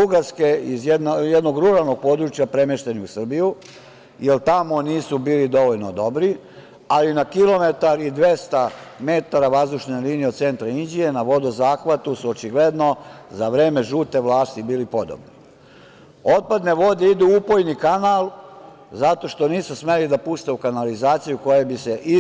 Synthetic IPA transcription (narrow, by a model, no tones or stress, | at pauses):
buɡaɾske̞izjed̪njed̪no̞ɡɾuɾalˠno̞ɡ̚po̞ːd̪ɾut͡ʃjapɾe̞meʃt̪e̞niusr̩biju | jelt̪amo̞niːsubiːlid̪o̞ʋoʎno̞d̪o̞bɾi | alinakilo̞me̞t̪aɾid̪ʋe̞st̪ame̞t̪aɾaʋazd̪uʃneliːnijeose̞nt̪ɾaind͡ʒije̞naʋo̞d̪ozaːxʋat̪usuot͡ʃiɡle̞d̪no̞zaʋɾeːme̞ʒuːt̪e̞ʋlaːst̪ibiːlipo̞d̪o̰bni | o̞t̪̚pad̪ne̞ʋo̞d̪e̞id̪uupojnikanaːl | zat̪o̞ʃt̪o̞niːsusme̞lid̪apust̪eukanalizaːt̪sijuko̞jebiseʔi